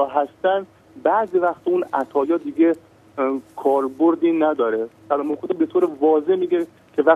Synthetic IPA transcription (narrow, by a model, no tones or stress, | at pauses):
ɦæst̪ænd̪ | bæʔzivæxt̪ʰɔunæt̪ʰɒːjɒːd̪iɡe | kʰɒːɾboɾd̪iːnæd̪ɒːɾet̪ælɒmokod̪ɑbet̪ʰoːɾevɒːzehmiːɡe | kʰe̞væ